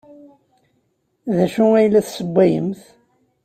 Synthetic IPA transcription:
ðæʃuŋæjlːæθsəbʷːæjəmθ

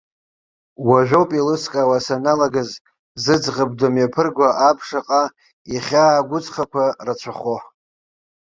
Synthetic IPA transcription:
waʒᶣʷowpʼilɨskʼawasanalaɡaz | zɨd͡zʁəb̚domjapʰɨrɡʷaʔapʰʂaqʼa | iχʲaːɡʷʊt͡sʼχakʷʰarat͡ʃʷʰaχoħ

